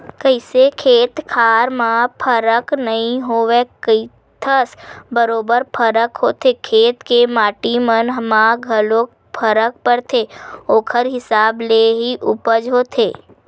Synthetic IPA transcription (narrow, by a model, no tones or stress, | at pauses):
kəɪsekʰeːt̪kʰaːɾmãpʰəɾəknəɦĩɦoːʋekəɪ | t̪ʰəsbəɾoːbəɾpʰəɾəkɦoːt̪ʰekʰeːt̪kemaːʈimənɦmãɡʱəlõk̚ | pʰəɾək̚pəɾt̪ʰeːoːkʰəɾɦɪsaːbleɦiʔʊpəd͡ʒɦoːt̪ʰḛː